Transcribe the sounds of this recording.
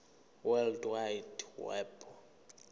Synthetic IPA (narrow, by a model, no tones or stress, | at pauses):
wɛldwajdwɛ̰bɔ